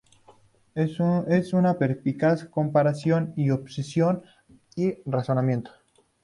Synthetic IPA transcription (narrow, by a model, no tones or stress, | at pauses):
esunapeɾpikasko̞mpaɾasjoniopsesjo̞n | iraso̞namje̞nt̪o̥